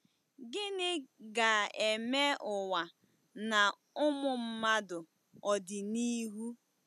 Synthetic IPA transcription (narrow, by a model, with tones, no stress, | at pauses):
ɡɪ˦nɪ˦ɡa˨e˨me˦ʔʊ˨wa˨ | na˨ | ʊ˦mʊ˨m̩˦ma˦dʊ˨ | ɔ˨dɪ˨ni˦ɦu˦